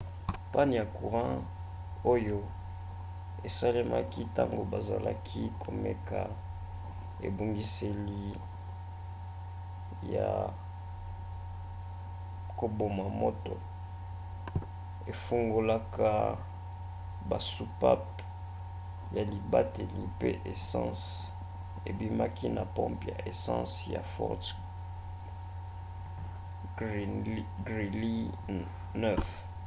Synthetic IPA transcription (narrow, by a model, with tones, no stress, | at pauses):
pa˦ni˨ja˨ku˨ʁã˦ | o˦jo˦ | e˨sa˦le˦ma˦ki˦ta˦ŋɡo˨ba˨za̰˨la˦kʰi˦kʰo˨mɛ˦kʰa˨ | ḛ˨bo˨ŋɡi˦se˨li˨ | ja˨ | ko˨bo˨ma˨mo˦to̰˨ | e˨fu˦ŋɡo˦la˦ka˦ | ba˨su˦pa˦p | ja˨li˨ba˦te˨li˨pe˦ʔe˨sɑ̃˦s | e˨bi˦ma˦ki˦na˨pɔ̃˦mpja̰˨ʔe˨sɑ̃˦sja̰˨fɔ̰˦t | ɡʁi˨li˦ | nɛ˦f